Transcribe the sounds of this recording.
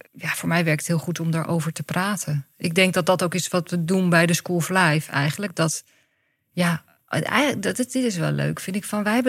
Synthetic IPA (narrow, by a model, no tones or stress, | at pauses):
jafʊːɹmɛjʋɛɹk̚tɦɪːlˠχutɔmdaːɹʔo̰wvəɹtəpraːtʰənʔɪɡ̚dɛŋk̚dɑt̚dɑtowkɪsʋɑtʋədunbɛjdəskulˠflɛjfɛ̰jχənlək̚dɑt | ja | ɛ̰jdɪtɪs̬ʋɛ̰llø̰ɥkfɪntɪkfɑnʋɛjɦɛbə